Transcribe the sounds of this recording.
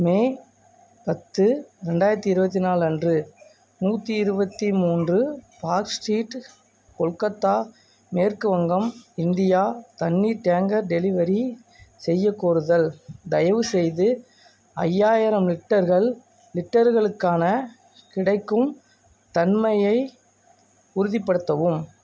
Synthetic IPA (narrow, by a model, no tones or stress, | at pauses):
meː | pɐt̪ːɯɾɛɳɖaːjɪɾɐt̪ːiɪɾɯbɐt̪̬ːinaːlɐndrɯ | nuːt̪ːiɪɾɯbɐt̪ːimuːndrɯpaːɾksʈiːʈ | kɔɭkɐt̪ːaː | meːɾkɯʋɐŋɡɐmɪnd̪ɪjaːt̪ɐnːiʈeːŋɡɐɾɖɛlɪʋɐɾi | sɛjːɐkːoːɾɯðɐld̪ɐjɐʋɯsɛjðɯ | ɐjːaːjɪɾɐmlɪʈːɐɾɣɐɭ | lɪʈːɐɾɣɐɭɯkːaːnɐ | kɪɽɐɪkːɯm | t̪ɐnmɐjɐɪ | ʊɾɯðɪpːɐɽɯt̪ːɐʋɯm